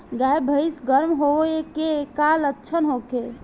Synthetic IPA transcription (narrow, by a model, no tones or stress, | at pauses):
ɡajbʱəɪsɡəɾmɦoekekalətːʃʰənɦoke